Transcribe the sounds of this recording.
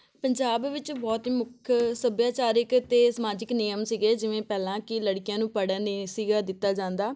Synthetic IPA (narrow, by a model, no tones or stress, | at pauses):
pəɲd͡ʒaːbʋɪt͡ʃbɔːt̪iːmʊkʰsəbjaːt͡ʃaːɾɪkt̪eːsəmaːd͡ʒɪknɪjəmsiːɡeːd͡ʒɪʋẽːpɛːlãːkɪləɽkɪjãːnũːpəɽanesiːɡaːd̪ɪt̪ːaːd͡ʒãːnd̪aː